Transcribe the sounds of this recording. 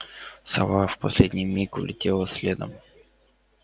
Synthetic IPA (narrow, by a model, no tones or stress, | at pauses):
sɐ̰vafpɐsʲlʲedʲnʲijmʲikʊlʲɪtʲelˠəsʲlʲed̪əm